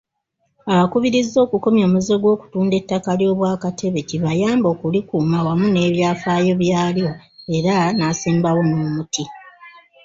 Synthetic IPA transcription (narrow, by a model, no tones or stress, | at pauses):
aβakuβiɾizːo̞ːkuko̞mjo̞ːmuze̞ɡwo̞ːku̥tuːnde̞tːakaljo̞ːβwaːkate̞βe̞ciβajaːmbo̞ːkulikuːmawamune̞ːβjaːfaːjo̞βjaːljo̞e̞ɾanasiːmbawo̞noːmutʰi